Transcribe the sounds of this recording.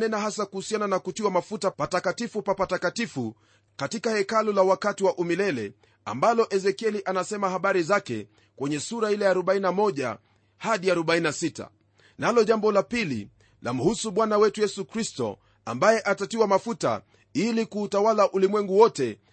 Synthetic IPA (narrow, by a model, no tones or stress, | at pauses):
nɛnaɦasakuhusiananakutiwamafutapatakatifupapatakatifu | katikahɛkalulawakatiwaʔumilɛlɛ | a̰mbalɔʔɛzɛkiɛliʔanasɛmahaɓaɾizakɛ̰ | kwɛɲɛsuɾailɛaːɾɔɓainamɔʄa̰ | haɗiaɾɔɓainasita̰ | nalɔʄambɔlapilḭ | la̰m̩husuɓwanawɛtujɛsukɾistɔ̰ | a̰mbajɛʔatatiwamafuta̰ | ilikuːtawalaʔulimwɛŋɡuwɔtɛ